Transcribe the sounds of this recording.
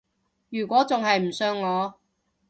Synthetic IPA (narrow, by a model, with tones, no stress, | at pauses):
jyː˨˩kʷɔː˨˥t͡sʊ˨ŋhɐ˨jm̩˨˩sœː˧ŋːɔː˨˧